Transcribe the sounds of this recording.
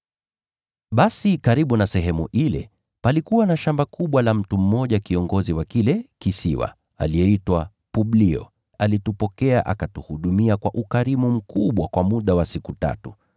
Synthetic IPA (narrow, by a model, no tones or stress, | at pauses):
ɓasikaɾiɓunasɛɦɛmuʔilɛ̰ | palikuwanaʃambakʰuɓwalam̩tum̩ːɔʄakiɔŋɡɔziwakilɛkisiwa̰ | a̰liɛitwa | puɓliɔ̰ | alitupɔkɛaʔakatuhuɗumiakwaʔukaɾimum̩kuɓwakwamuɗawasikuta̰tu